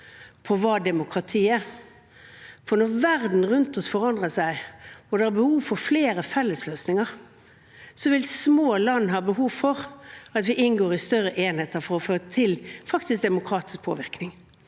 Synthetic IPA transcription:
pʰɔʋɑːd̪ɛmʊkʰɾɑt̪ʰiːɛɾ | fɔɾnɔʁʋæʁd̪n̩ʁʉnt̪ɔsfɔʁɑnd̪ʁəsæɪɔd̪ɛæɾbəhuːʋfɔɾfleːɾəfɛlːəsløːsnɪŋəʁ | sɔʋɪlsmoːlɑnːɦɑːbəɦuːʋfɔʁɑt̪ʋɪʔɪnɡoːɾɪst̪œɾːəʔeːnheːt̪əɾfɔɾɔføːɾət̪ʰɪlfɑkt̪ɪsk̚d̪ɛmʊkʰɾɑːt̪ɪ̥sk̚pʰo̰ːʋɪʁknɪŋ

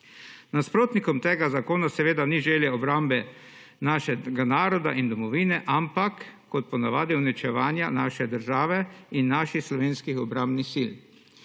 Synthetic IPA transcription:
naspɾoːt̪nikɔmt̪eːɡazakoːnasɛʋeːd̪aniʒeljɛɔbɾambɛ | naːʃɛɡanaːɾɔd̪a̰ʔind̪ɔmɔʋiːnɛʔampakː | ɔt̪̚pɔnaʋaːd̪iwnit͡ʃɛʋaːnjanaːʃɛd̪əɾʒaːʋɛinːaːʃixslɔʋeːnskixɔbɾãmbnixsil

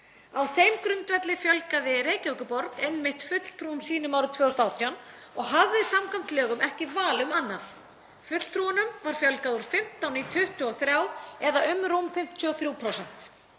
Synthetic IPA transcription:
awθejmkɾʏnt̪vɛt̪lɪfjœlkaðɪreːjcœkʏpɔɾk̪ɛnmɪht̪fʏt̪l̥t̪ʰɾuʏmsiːnʏmawɾʏt̪ʰvœːɣʏst̪awt̪ʰjan | ɔɣɦavðɪsamkʰam̥t̪lɛːɣʏmɛhcɪvaːlʏmanːaf | fʏt̪l̥t̪ʰɾuːanʏmvaɾ̥fjœlkaðuɾ̥fɪm̥t̪awnit̪ʰʏht̪ʏɔθɾjaːwɛðaʔʏmɾumfɪm̥t̪ʰʏɔθɾjuːpʰɾowsɛn̥t̪

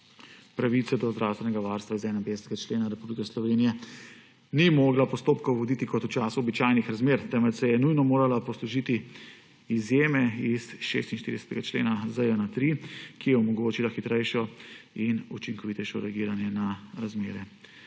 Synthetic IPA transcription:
pɾaʋit̪sɛd̪ɔzd̪ɾʔawst̪ʋɛnɛɡaʋaɾst̪ʋaizɛnɛpesɛt̪ɛɡat͡ʃleːnaɾɛpublikɛslɔʋeːnijɛ | nimoːɡlapɔst̪oːpkɔwʋɔd̪it̪ikɔt̪ut͡ʃaːsuɔbit͡ʃaːjnixɾazmeːɾt̪ɛmɛt̪sɛjɛnujnɔmoːɾalapɔsluʒit̪i | izjeːmɛisʃḛːst̪inʃt̪ḭɾid̪ɛsɛ̥t̪ɛɡat͡ʃlḛːnazəjənat̪ɾikijɛɔmɔɡoːt͡ʃilaxit̪ɾɛjʃɔinut͡ʃiŋkɔʋit̪ɛjʃɔɾɛaɡiːɾanjɛnaɾazmeːɾɛ

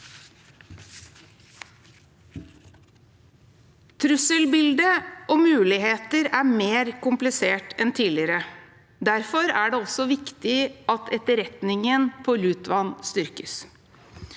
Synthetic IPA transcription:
t̪ʰɾʉsəlbɪld̪əʔoːmʉːlɪheːt̪əɾæːmeːɾkʊmplɪseːʈɛnt̪ʰiːlɪɾə | d̪æɾfɔɾæːɖeːɔsɔʋɪkt̪ɪʔɑt̪ʰɛt̪əɾɛt̪nɪŋənpʰoːlʉːt̪ʋɑnst̪ʏɾkəs

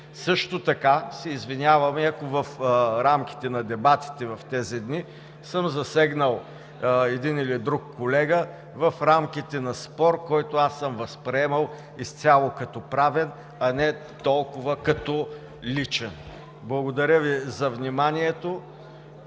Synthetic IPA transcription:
sɤʃt̪ot̪ɐkasɛizvinʲjavəmiɐkovɐfɾamkʲi̥t̪ɛnɐd̪ɛbat̪i̥t̪ɛvɐft̪ɛzid̪ni | səmzɐsɛɡnəlˠ | ɛd̪inilid̪ɾukːolɛɡə | vɐfɾamk̟it̪ɛnɐspɔɾkɔjt̪ʊasːəmvɐspɾɛɛmɐlˠ | ist̪ʲjalˠokɐt̪ɔpɾavɛn | ɐnɛ | t̪ɔlˠkʊvəkɐt̪ɔ | lit͡ʃɛn | blˠɐɡod̪ɐɾʲəvizɐvnʲimaniɛt̪o

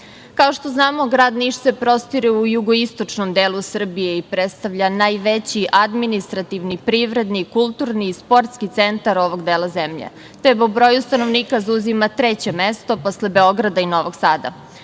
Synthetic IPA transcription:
kao̞ʃt̪o̞znaːmo̞ɡɾaːd̪niʃse̞pɾo̞st̪iɾiujuɡoist̪o̞t͡ʂnomd̪eːlˠusr̩bijeipɾet̪st̪aʋʎanaːjʋet͡ɕiʔad̪minist̪ɾat̪iʋnipɾiʋɾe̞d̪nikulˠt̪uɾniːspo̞ɾt̪skit̪sent̪aɾo̞ʋo̞ɡd̪eːlˠazemʎḛ | t̪epobɾo̞just̪anoʋniːkazuzimat̪ɾet͡ɕemest̪o̞poslebeo̞ɡɾad̪aino̞ʋoɡsaːd̪a̰

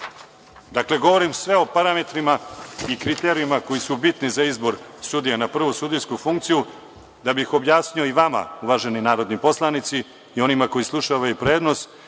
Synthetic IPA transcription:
d̪akle̞ɡo̞ʋo̞ɾimsʋe̞o̞paɾame̞t̪ɾimaikɾit̪eɾijimako̞jisubit̪nizaizbo̞ɾsud̪ijanapr̩ʋusud̪iskufuŋkt̪siju | d̪abixo̞bjaːsɲioiʋama̰uʋaʒe̞ninaːɾo̞d̪nipo̞slˠanit̪siː | o̞nimako̞jislˠuʃaʋajupɾe̞ːd̪no̞s

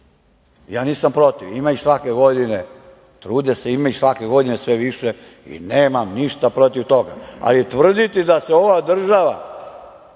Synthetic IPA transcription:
jaːniːsampɾo̞t̪iʋimaisʋakeɡo̞d̪ine | t̪ɾuːd̪eseimaiʃsʋakeɡo̞d̪inesʋeʋiʃe | ḭneːmamniʃt̪apɾot̪iʋt̪o̞ɡa̰a̰lit̪ʋr̩d̪it̪id̪aseo̞ʋad̪r̩ʒaʋa̰

